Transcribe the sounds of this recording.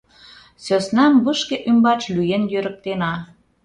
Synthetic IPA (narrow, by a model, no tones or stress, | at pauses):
søsnɑmbəʃkeʔymbɑt͡ʃlyjenjøɾək̚t̪enɑ